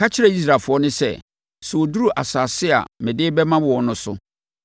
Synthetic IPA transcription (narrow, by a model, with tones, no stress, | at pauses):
kʰa˦t͡ɕʰɪ˦ɾɛ˨i˦s̬ɾa˨fʊ˨ɔ˦nʊ̃˦sɛ̰˦ | su˨o˨du˦ɾu˦ʔa˨saː˨sɪ˦a̰˨mɪ̃˨dɪː˦bɛ˦mã˦wɔ˨ɔ˨nʊ̃˦sʊ̰˦